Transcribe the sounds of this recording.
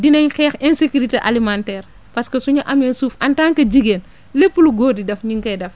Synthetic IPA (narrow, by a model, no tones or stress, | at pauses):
dinɐɲxɛːxɛnsekuɾiteʔalimantɛːr | pɐskɐsuɲɐʔɐmensuːfʔɐntaːŋkɐɟiɡeːn | lepːuluɡoːdidɐfɲiŋkɐjdɐf